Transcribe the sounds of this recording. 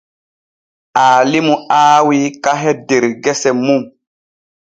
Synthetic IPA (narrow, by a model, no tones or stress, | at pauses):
aːlimuaːwikaɦɛdeɾɡɛsɛmum